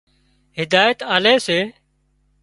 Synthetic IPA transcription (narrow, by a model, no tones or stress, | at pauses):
ɦɪd̪aːjət̪aːleːseː